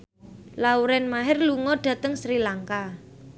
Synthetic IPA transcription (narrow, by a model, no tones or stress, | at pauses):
lauɾɛnmaɦɪrluŋɔɖ̥ä̤t̪əŋsɾilaŋka